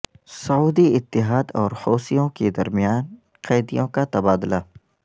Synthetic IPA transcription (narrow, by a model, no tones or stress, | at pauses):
sɐuːd̪iɪt̪ːɪɦaːd̪ɔːɾhoːsijõked̪ɐɾmijaːn | qɛːd̪ijõkat̪ɐbaːd̪la